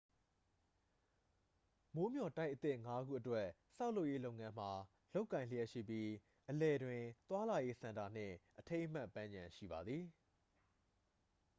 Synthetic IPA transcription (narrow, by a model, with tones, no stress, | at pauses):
mo˦mjɔ˨ta˦ɪʔət̪ɪ˦˨ʔŋa˦ɡṵ˦˨ʔətwɛ˦˨ | sa˦ʊlo˦ʊʔje˦lo˦ʊʔŋã˦m̥a˨ | lo˦ʊʔkːã˨ɪ̃lə˦jɛ˦ʔʃḭ˦˨pji˦ | ʔəlɛ˨dwɪ̃˨t̪wa˦la˨je˦sã˨nda˨n̥ɪ̰̃˦˨ʔətʰẽ˦ɪ̃ʔm̥a˦ʔpːã˦ɲd͡ʑã˨ʃḭ˦˨ba˨d̪ði˨